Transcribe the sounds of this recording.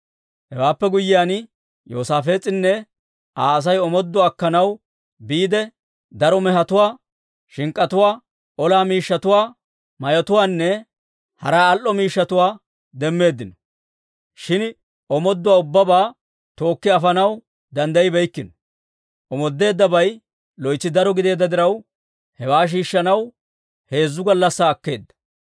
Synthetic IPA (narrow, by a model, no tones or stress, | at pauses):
hɛwaːpːɛɡʊjːɪjaːn | jo̰ːsaːfe̞ːt͡sʼɪnːɛ | ʔaːɐs̬ɐjɔmɔd̪ːɔɐkːɐnɐw | biːd̪ɛ | d̪ɐɾɔmɛɦɐt̪ʊwaː | ʃɪŋkʼːɐt̪ʊwaː | ɔlaːmiːʃːɐt̪ʊwaː | mɐjɔt̪ʊwaːnːɛ | hɐ̰ɾaːɐlʔɔmiːʃːɐt̪ʊwaː | d̪ɛmːe̞ːd̪ːɪnɔ̥ | ʃɪn | ɔmɔd̪ːʊwaːʊbːɐbaː | t̪o̞ːkːɪɐfɐnɐw | d̪ɐnd̪ɐjɪbɛjkːɪnɔ̥ | ʔɔmɔd̪ːe̞ːd̪ːɐbɐj | lɔjt͡sːɪd̪ɐɾɔɡɪd̪e̞ːd̪ːɐd̪ɪɾɐw | hɛwaːʃ̬iːʃːɐnɐw | he̞ːzːʊɡɐlːɐsːaːkːe̞ːd̪ːɐ̥